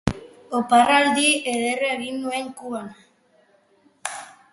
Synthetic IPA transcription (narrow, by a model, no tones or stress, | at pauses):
oparald̪ieðereɣinueŋkuan